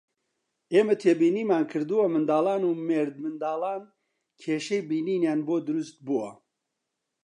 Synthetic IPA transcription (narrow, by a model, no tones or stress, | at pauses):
eːmɐt̪ʰeːbiːniːmaːnkʰɨɾd̪ɨwɐmɨnd̪aːlaːnuːmeːɾd̪̚mɨnd̪aːlaːn | kʰeːʃejbiːniːnjaːnboːd̪ʊɾust̪̚buwɐ